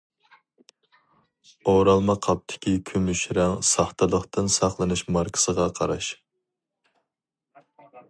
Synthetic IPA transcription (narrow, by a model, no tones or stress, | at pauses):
oɾɑlˠmɑqʰɑp̚t̪ʰɪ̥kʲikʲʰymyʃɾɛŋsɑχt̪ʰɨlˠəχt̪ɨnsɑχlˠɨnɨʃmɑɾkʰə̥səʁɑqʰɑɾɑʃ